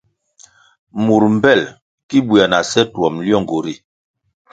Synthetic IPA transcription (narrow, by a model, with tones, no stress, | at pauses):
mu˨ɾm̩˨bɛ˦˨l | ki˦bwa˨na˨sɛ˦twɔ˨mljɔ˦˨ŋɡo˨ɾi˦˨